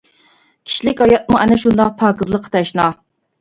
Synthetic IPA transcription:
kʲʰi̥ʃlɪkʲhɑjɑt̪̚muʔɛnɛʃund̪ɑq̚pʰɑːkəzlˠəqʰːə̥t̪ʰɛʃnɑ

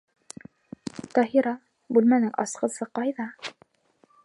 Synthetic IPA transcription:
t̪ɑɦiɾɑ | bʉlmænɘŋɑ̰sqɤ̆sɤqɑjðɑ

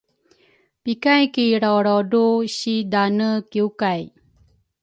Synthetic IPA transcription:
pikajkiɾɔɾɔduɕidanəkiukaj

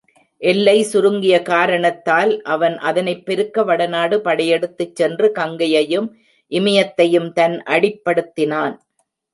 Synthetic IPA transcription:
ʔɛlːɐɪsʊɾɯŋɡɪjɐkaːɾɐɳɐt̪ːaːlʔɐʋɐnʔɐðɐnɐɪpːɛɾɯkːɐʋɐɽɐnaːɽɯpɐɽɐjɛɽɯt̪ːɯt͡ʃːɛndrɯkɐŋɡɐjɐjɯm | ʔɪmɐjɐt̪ːɐjɯmt̪ɐnʔɐɽɪpːɐɽɯt̪ːɪnaːn

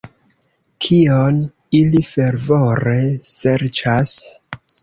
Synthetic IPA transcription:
kʰion | ilife̞ɾvoɾe̞se̞ɾt͡ʃas

